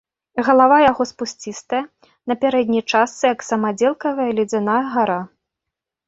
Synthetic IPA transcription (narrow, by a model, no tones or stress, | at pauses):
ɣɐlˠavajaɣɔspusʲt͡sʲist̪ɐjɐ | nɐpʲaɾɛd̪ʲnʲijt͡ʂasːɨjɐksɐmad͡zʲɛlˠkɐvɐjɐlʲɛd͡zʲanajɐɣaɾa